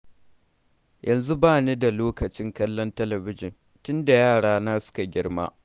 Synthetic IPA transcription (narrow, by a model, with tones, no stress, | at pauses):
jʔɐ˨nzu˦baː˦˨ne˦da˨loː˦kɐ˨t͡ʃɪ˦ŋkɐ˦lːɔ˦ntɐ˦lɐ˨bɪ˦d͡ʒɪ˨n | tʊ˦nda˨jaː˦˨ɽaː˦naː˦sʊ̥˦ka˨ɡʲɪ˦ɽma̰ː˦